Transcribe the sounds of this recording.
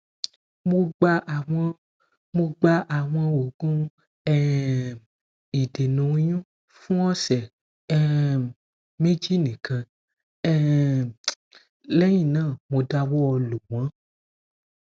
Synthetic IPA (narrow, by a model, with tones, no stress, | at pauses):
mo˧ɡ͡ba˧ʔwɔ̃˧ | mo˧ɡ͡ba˧ʔa˨w̃ã˧wo˨ɡũ˦ | ɛ˦ | i˨de˨nũ˨˦jũ˦ | fũ˦ɔ˦sɛ˨ | ɛ˦ | mẽ˦d͡ʒi˦nĩ˨kʰã˧ | ɛ˦ | lɛ˦jĩ˦˨nãː˦˨mõ˧da˧wɔ˦ɔ˧lo˨w̃ã˨˦